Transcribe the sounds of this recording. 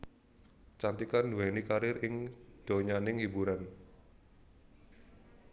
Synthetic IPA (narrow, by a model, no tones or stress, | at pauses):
t͡ʃant̪ikanduwɛnikaɾɪɾɪŋd̪̥o̤ɲanɪŋhibuɾan